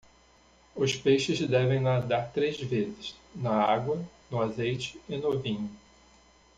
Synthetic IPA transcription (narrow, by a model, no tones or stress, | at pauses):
ʊspejʃɪzd̪ɛvẽj̃lad̪aɾt̪ɾezvezɪznɐaɡwɐ | nʊazejt͡ʃɪɪnʊvĩɲʊ